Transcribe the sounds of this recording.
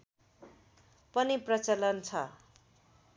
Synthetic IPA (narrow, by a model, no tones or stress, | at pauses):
pʌniprʌt͡sʌlʌnt͡sʰʌ